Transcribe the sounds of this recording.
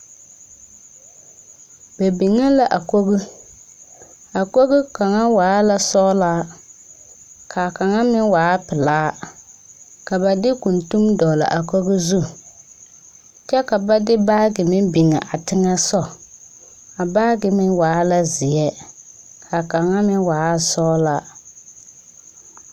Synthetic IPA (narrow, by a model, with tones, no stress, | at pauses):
bɛ˨bi˨ŋa˦la˦ʔa˨ko˦ɣɪ˦ | a˨ko˦ɣɪ˦ka˨ŋa˦waː˨˦la˦sɔ˦laː˦ | kʰa˨ka˨ŋa˦mɪ˦waː˨˦pɪ˨laː˦ | ka˨ba˨dɪ˦ku˨ntu˦mdɔ˨la̰˨ʔa˨ko˦ɣɪ˦zu˦ | t͡ʃɛ˦ka˨ba˦dɪ˦baː˦ɡɪ˨mɪ˦bɪ˨ŋa̰˨ʔa˨tɪ˦ŋa˦sɔ˦ | a˨baː˦ɡɪ˨mɪ˦waː˨˦la˦zɪ˨ɛ˦ | kʰa˨ka˨ŋa˦mɪ˦waː˨˦a˦sɔː˦la˦